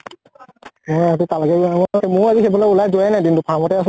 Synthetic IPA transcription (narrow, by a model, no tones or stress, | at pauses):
ɔatitalɛkɛmɔmʊɹazixebɔlɔulajzʊajnajdintʊpʰamɔtɛas